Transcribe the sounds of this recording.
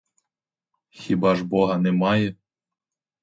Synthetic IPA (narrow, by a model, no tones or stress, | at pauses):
xʲibɑʒbɔɦɐnɛmɑjɛ